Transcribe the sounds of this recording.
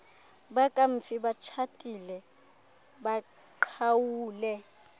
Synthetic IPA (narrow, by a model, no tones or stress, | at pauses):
bakʼaɱ̩fibat͡ʃʰatʼilɛ | ba | ǃʰawuːlɛ